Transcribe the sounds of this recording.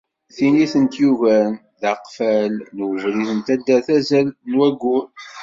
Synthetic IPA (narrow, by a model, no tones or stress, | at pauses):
θiniθənt̪juvæn | ðaqfælnwəvɾiθənt̪æd̪ːæθæzælnwæɡːun